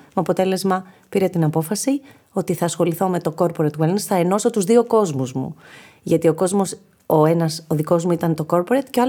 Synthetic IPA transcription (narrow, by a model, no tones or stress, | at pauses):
meɐpo̞t̪e̞le̞zmɐpiɾe̞t̪inɐpo̞fɐsi | o̞t̪iθɐːsxo̞liθo̞me̞t̪o̞ko̞ɾpo̞ɾet̪welnsθɐeno̞sot̪uzðio̞ko̞zmuzmṵ | ʝɐt̪io̞ko̞zmo̞s | oe̞nɐsoðiko̞zmuit̪ɐnt̪o̞ko̞ɾpoɾet̪ce